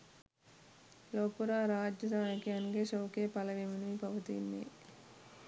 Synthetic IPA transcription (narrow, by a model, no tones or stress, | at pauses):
loːpuɾaːɾaːd͡ʒjɐd̪aːnɐkiɐnɡeʃɐwkeːpɐlɐʋeminipɐʋɐt̪ḭnd̪ḭ